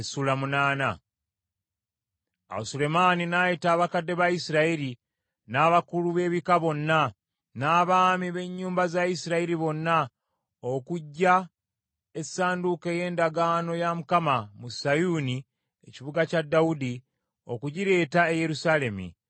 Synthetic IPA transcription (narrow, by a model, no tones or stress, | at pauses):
esulamunaːna | a̰usule̞maːninajitaːβakadːe̞βaisiɾaiɾi | naːβakuluβe̞ːβikaβo̞nːa | naːβaːmiβe̞ɲːuːmbazaisiɾaiɾiβo̞nːa | o̞kuɟːa | e̞saːnduke̞je̞ːndaɡaːno̞jamukamamusajuni | e̞̰ciβuɡacadːaudi | o̞̰kuɟiɾe̞ːtaeje̞ɾusale̞mḭ